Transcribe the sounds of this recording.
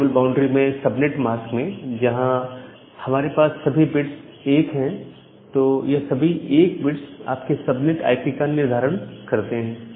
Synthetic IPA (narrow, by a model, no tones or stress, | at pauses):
əlbãːʊ̃ɳɖɾimẽsɐbnɪʈmaːskmẽd͡ʒɐɦã | hɐmaːɾepaːsːɐbʱibɪʈs | eːkɦɛ̃ | t̪oːjesɐbʱieːkbɪʈsa̰ːpkesɐbnɪʈa̰ːɪpikanɪɾd̪ʱaːɾəɽ̃kɐɾt̪eɦɛ̃ː